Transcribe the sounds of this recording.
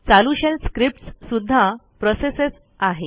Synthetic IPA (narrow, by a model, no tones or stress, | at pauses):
t͡saluɕelskɾip̚ʈssud̪ʱːa | pɾɔseses | aɦe